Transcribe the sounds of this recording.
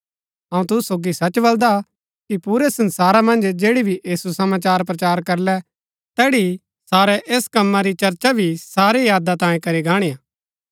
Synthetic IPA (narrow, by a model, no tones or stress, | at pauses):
ɐ̃ũt̪̬ʊssoːɡisɐt͡ʃbɐld̪a | kipuːɾɛsɐ̃nsaːɾamɐ̃nd͡ʒd͡ʒeːɽibʱiʔiːsusɐmaːt͡ʃaːɾp̬ɾɐt͡ʃaːɾkɐɾlɛ | t̪ɛːɽi | saːɾɛʔeːskɐmːaɾit͡ʃɐɾt͡ʃabʱisaːɾejaːd̪at̪ãːjẽkɐɾiɡaːɽ̃iaː